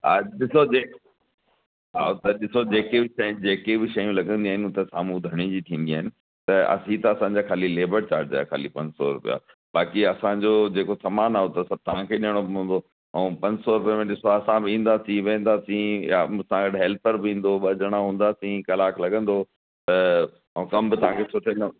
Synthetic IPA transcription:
a̰ɗɪsod͡ʑeː | ɦa̰ːot̪ɐɗɪsod͡ʑeːkebɪʃɐ̃d͡ʑeːkebɪʃɐjũlɐɡə̃nd̪iaːɦɪnɪʊt̪esa̰ːmũd̪ʱɐɽ̃id͡ʑit̪ʰĩːn̆d̪iaːɦɪnɪ̆ | t̪ɐɐ̰sit̪ɐɐsã̆d͡ʑaːkʰaːlileːbəɾt͡ɕa̰ːɾʈ̚d͡ʑa̰ːkʰa̰ːlipɐ̃ɲsɔ̰ɾʊ̰pḭja̰ː | baːkiɐsãd͡ʑod͡ʑeːkosɐmaːnaːɦot̪ɐsɐb̚t̪ɐʋãkʰeːɗijəɽ̃obɦũːn̆d̪o | ɛ̃ːpɐ̃ɲd͡ʑsɔɾʊpijemẽɗɪsoɐsãbɪĩːn̆d̪aːsĩʋẽːnd̪aːsĩasãɡɐɖɦɛːlpəɾbɪĩːnd̪oɓɐd͡ʑəɽ̃aɦũːn̆d̪aːsĩkɐlaːklɐɡə̃nd̪o | t̪ɐ̃ | kɐmbɪt̪ɐʋ̤ãkʰesʊʈʰen

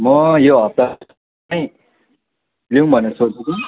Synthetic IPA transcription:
mʌjoʌp̚t̪a | ʌj | liũbʱʌnesot͡sʰuki

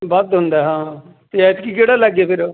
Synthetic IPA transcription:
bət̪ɦʊ̃nd̪aːɦãː | t̪eɛt̪kiːkeːɽaːləɡeːpʰɪɾ

